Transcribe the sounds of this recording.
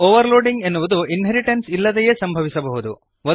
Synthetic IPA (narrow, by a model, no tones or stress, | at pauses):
oːʋɐɾloːɖiŋɡenːuʋud̪uinɦeɾiʈensilːɐd̪ɛje̞ːsɐmbʱɐʋisɐbɐɦud̪u | ʋo